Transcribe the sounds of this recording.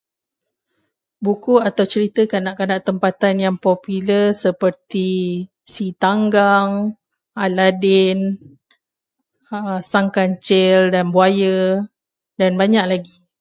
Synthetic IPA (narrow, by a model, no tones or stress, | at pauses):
bukuat̪awt͡ʃəɾit̪əkanaʔkanaʔt̪əmpat̪anjaŋpɔpuləsəpərt̪i | sit̪aŋɡaŋ | aladɪn | əsaŋkant͡ʃɛldanbuajə | danbaɲaʔlaɡi